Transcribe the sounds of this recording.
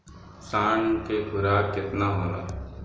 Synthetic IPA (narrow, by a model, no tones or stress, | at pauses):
saːnkekʰʊɾaːkːɪt̪naɦoːla̰ː